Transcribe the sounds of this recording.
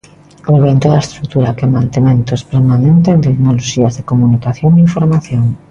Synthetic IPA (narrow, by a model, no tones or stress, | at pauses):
oβent̪oðaest̪ɾuk̚t̪uɾakemãnt̪emẽnt̪ospeɾmanent̪ent̪eknoloʃiazðekomunikaθjoŋiɱfoɾmaθjoŋ